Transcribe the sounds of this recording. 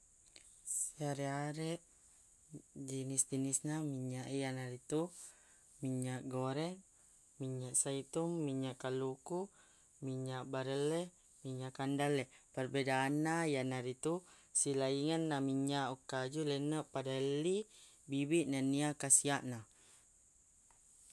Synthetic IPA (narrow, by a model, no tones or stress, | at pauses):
siaɾɛaɾɛʔ | d͡ʒinisd̪inisnamiɲaʔijanaɾit̪u | miɲaʔɡoɾɛŋ | miɲaʔsait̪umːiɲaʔkaluku | miɲaʔbaɾəlɛ | miɲaʔkandalɛpərbedaːnːajanaɾit̪u | silaiŋanːamiɲaʔukːad͡ʒulənəʔpadali | bibiʔnaniakasiaʔna